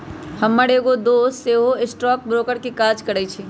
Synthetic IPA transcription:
hɐmːəɽeːɡod̪oːseːɦoɪsʈɾɔːk̚bɾoːkəɾkikaːd͡ʒkɐɽəit͡ʃʰi

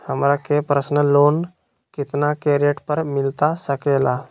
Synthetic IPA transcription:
həmɾakepɾəsnəlon | kɪt̪nakeɾijəʈpəɾmɪlt̪asəkela

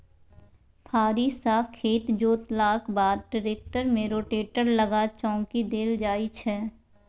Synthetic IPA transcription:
pʰaːɾisaːkʰeːt̪d͡ʒoːt̪laːkbaːd̪̚ɖɪɾeːk̚ʈəɾmẽɾoːʈeːʈəɾləɡat͡ʃɔ̃ːŋkid̪eːld͡ʒaːit͡ʃʰɛː

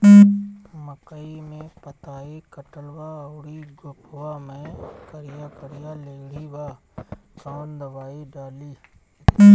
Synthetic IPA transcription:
məkəimẽpət̪aːikəʈəlwaəwɽiɡʊpʰʊwamẽkəɾijakəɾijaleːɡɽ̤ibasaːnd̪əbaːiɖaːliː

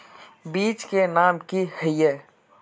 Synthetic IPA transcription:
biːt͡ʃkenaːmkihəje

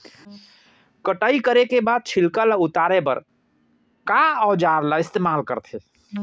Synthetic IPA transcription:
kəʈəikəɾekebad̪̚t͡ʃʰilkəlaut̪aɾepə̰ɾ | kaɔd͡ʒaɾlaɪst̪eːmalkəɾt̪ʰe

